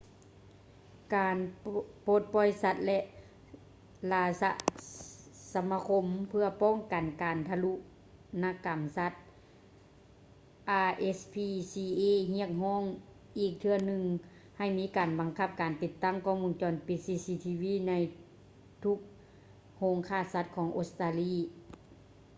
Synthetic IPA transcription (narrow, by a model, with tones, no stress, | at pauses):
kaː˨npoː˧˦t̪̚pɔː˧˩jsa˧t̪̚lɛ˧ʔ | laː˧sa̰˧ʔ | sa˧mːa˧kʰo˧mpʰɯ˧ɐpɔː˧˥˨ŋka˨˩nkaː˨˩nt̪ʰa˧lu˧˥ʔ | na˧˥ka˨˩msa˧˦t̪̚ | ʔaː˧ʔe˧˥spʰiː˧siː˧ʔeː˧˨hi˧˥˨ək̚hɔː˧˥˨ŋ | ʔiː˨˩k̚t̪ʰɯ˧ɐnɯ˧ŋ | ha˧˨˩jmiː˦˥kaː˨˩nba˨˩ŋkʰa˧˥p̚kaː˨˩nt̪i˧t̪ːa˧˥˨ŋkʰɔː˧˥˨ŋmu˧nt͡ɕɔː˨˩npi˨˧˩t̪̚siː˧˥siː˧˥t̪ʰiː˧wiː˧˥˨na˧j | t̪ʰu˧˥k̚ | hoː˧˥ŋkʰaː˧˩˨sa˧t̪̚kʰɔː˨˦ŋʔo˧t̪st̪aː˧liː˧˥˩